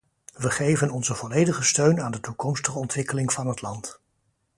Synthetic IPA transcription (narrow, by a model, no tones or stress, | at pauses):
ʋəχejvənɔnzəvɔlejdəχəstøɥnaːndətukɔmstəχəɔntʋɪkəlɪŋvɑnɦətlɑnt